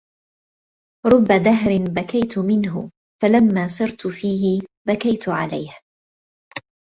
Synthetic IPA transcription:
ɾˤʊbːad̪aɦɾɪnbakajt̪ʊmɪnɦʊ̰ | falamːaːsɑɾt̪ʊfiːhɪbakajt̪ʊʕa̰la̰jh

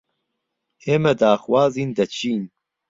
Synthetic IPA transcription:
eːmɛd̪aːxwaːziːnd̪ɐt͡ʃʰiːn

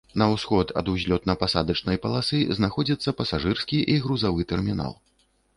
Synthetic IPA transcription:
nɐwsxɔt̪ʰɐ̰d̪uzʲlʲɔt̪nɐpasad̪ɐt͡ʂnɐjpɐlˠasɨznaxɔd͡zʲit̪sːɐpɐsaʐɨrskʲiʔiɣɾuzavɨt̪ɛrmʲina̰lˠ

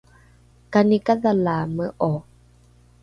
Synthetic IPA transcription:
kanikaðalaməʔɔ

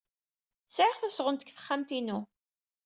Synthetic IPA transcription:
sʕʁθæsʁənt̪ə̥kθə̥χːamt̪inu

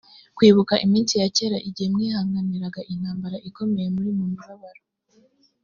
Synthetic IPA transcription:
kwiːβukaʔimiːnsijace̞ːɾaʔiɟihemŋiːhaːŋɡaniɾaɡaʔin̥haːmbaɾaʔiko̞me̞je̞muɾimumuβaβaɾo

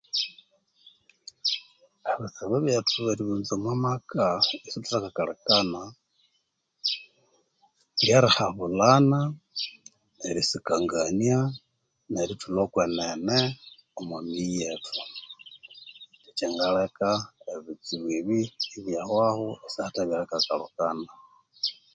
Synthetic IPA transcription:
βit͡siβaβjetʰuβeɾiβunzemwamakaisituɾakakalekana | ljaɾixaβulana | neɾisikaŋɡania | neɾitʰulokwenene | omamijetʰu | lit͡ʃeŋɡalekaeβit͡siβwiβiiβjahwahoesihataβjaɾakakalukana

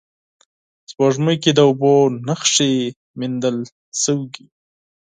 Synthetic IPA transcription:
z̥bɑʒməjked̪əʊbonəxʂe | mind̪əl | səwɡi

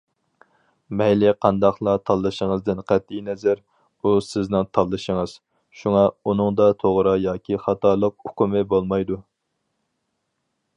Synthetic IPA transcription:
mɛjlɪqʰɑnd̪ɑχlˠɑt̪ʰɑlˠːɨʃəŋəzd̪ɪnqʰæt̪̚ːinɛzæɾ | usɪznɪŋt̪ʰɑlˠːɨʃəŋɨz̥ | ʃuŋɑunɨŋd̪ɑt̪ʰoʁɾɨjɑːkʲʰiχɑt̪ʰɑːlˠəq̚ʊ̥kumɨbolˠmɑjd̪u

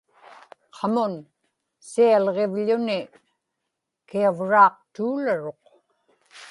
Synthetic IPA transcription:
qʰɑmʊn | sialʁevʎʊnɪ | kiavɻɑːq̚t̪uːlaɻo̞q

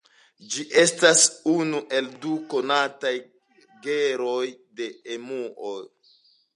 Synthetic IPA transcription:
d͡ʒiʔe̞stasunuʔe̞lduko̞nataj | ɡe̞ɾo̞jde̞emuʔo

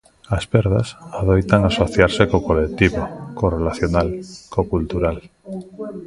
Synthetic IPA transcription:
aspeɾð̞a̰saðojt̪aŋasoθjaɾsekokolek̚t̪iβokorelaθjonalkokult̪uɾal

